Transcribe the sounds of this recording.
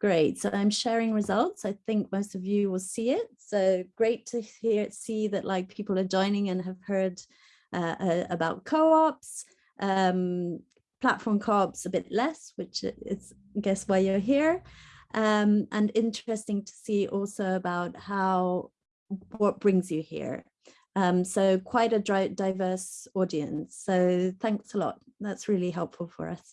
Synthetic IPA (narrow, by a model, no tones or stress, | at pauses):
ɡ̥ɹeɪtsoʊãɪ̃mʃɛɹɪ̃ŋɹɨzʌlˠtsaɪθɪ̃ŋk̚moʊstʌvjɨwɪlˠsiɪt̚soʊɡ̥ɹeɪtʰɨhiɹtsiðɨʔlaɪk̚pʰipl̩ˠə˞d͡ʒɔ̃ɪ̃nɪ̃ŋɨ̃nəv̥hɜ˞d | ʔʌʔəəbaʊt̚kʰoʊɑps | ʔʌ̃m | pʰl̥a̰tfɔɹmkʰɑpsəbɪʔlɛswɪt͡ʃɪ̰ts | ɡɛswaɪjə˞ɦiɹʔʌ̃mə̃nɪ̃nt͡ʃɹ̥ɛstɪ̃ŋtʰə̥siʔɔlˠsoʊəbaʊt̚haʊ | wʌt̚b̥ɹɪ̃ŋzjɨhḭɹ | ʌ̃msoʊʊkʰw̥aɪɾɨdaɪdaɪvɜ˞sɔɾiɨ̰̃nsːoʊθæ̃ŋksəlɔ̰t̚ðætsɹɪlˠiɦɛlˠpfəlˠfə̰˞ʌ̰s